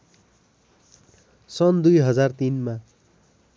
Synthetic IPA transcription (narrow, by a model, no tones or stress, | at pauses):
sʌnd̪ujɦʌd͡zart̪inma